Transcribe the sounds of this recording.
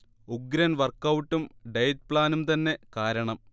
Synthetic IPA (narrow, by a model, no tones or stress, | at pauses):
uɡɾɐnʋɐrkːɐwʈːumɖejt̪̚pɭaːnumt̪ɐnːe̞kaːɾɐɳɐm